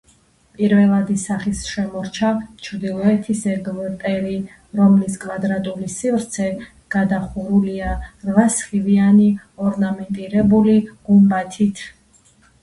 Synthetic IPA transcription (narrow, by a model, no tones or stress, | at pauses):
pʼiɾvɛlˠad̪isaχisʃɛmɔɾt͡ʃʰat͡ʃʰɾd̪ilˠɔɛt̪ʰisɛɡlt̪ʼɛɾi | ɾɔmliskʼwad̪ɾat̪ʼulisivɾt̪sʰɛ | ɡ̥ad̪aχuɾuliaɾvasχivianiɔɾnamɛnt̪ʼiɾɛbuliɡ̥umbat̪ʰit̪ʰ